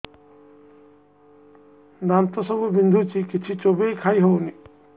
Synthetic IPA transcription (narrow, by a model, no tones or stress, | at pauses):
d̪ant̪ɔsɔbubind̪ʱut͡ʃikit͡ʃʰit͡ʃobejkʰajɦowni